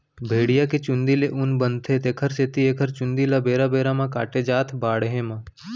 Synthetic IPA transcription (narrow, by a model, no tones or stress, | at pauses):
bʱeːɽijaket͡ʃʊnd̪ileʔʊnbənt̪ʰet̪ekʰəɾset̪ieːkʰəɾt͡ʃʊnd̪ilabeːɾabeːɾamãkaːʈed͡ʒaːt̪ʰbaːɽɦẽmã